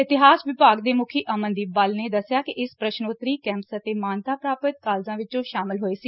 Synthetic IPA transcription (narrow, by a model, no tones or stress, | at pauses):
ɪt̪ɪɦaːsʋɪpaːɡd̪eːmʊkʰiːʔəmənd̪iːbalneːd̪əsjaːkɪʔɪspɾəʃnoːt̪ɾiːkɛ̃ːmsət̪eːmaːnt̪aːpɾaːpət̪̚kaːlzãːʋɪt͡ʃõːʃaːmɪlɦoːeːsiː